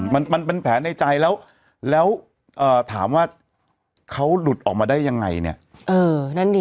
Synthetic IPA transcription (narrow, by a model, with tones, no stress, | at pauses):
ma˧nma˧npe˧npʰɛː˩˦˥na˧jt͡ɕa˧jlɛː˦˥w | lɛː˦˥w | ʔɤː˨˩t̪ʰaː˩˦mwaː˥˩ | kʰa˦˥wlu˨˩t̪̚ʔɔː˨˩k̚maː˧daː˥˩jːa˧ŋːa̰˧jnḭ˦˥˩ɐʔɤː˧na˥˩ndi˧